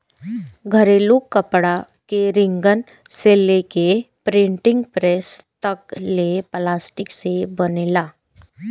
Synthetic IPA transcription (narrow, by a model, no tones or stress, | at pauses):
ɡʱəɾeluːkːəpɽa | keɾɪ̃ŋɡən | seleːkepɾɪ̃ɳʈɪ̃ŋɡpɾeːst̪ɐkleplaːsʈɪksebənelaː